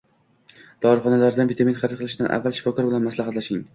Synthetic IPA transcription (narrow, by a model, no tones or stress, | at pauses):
d̪̥ɒɾχɒnalaɾd̪anvit̪ʰaminχɑɾɪt̪̚qɨlˠɪʃɪd̪anʔa̰vːalʃɪ̥fɒkʰɒɾbɪlanmaslaɦat̪laʃɪŋ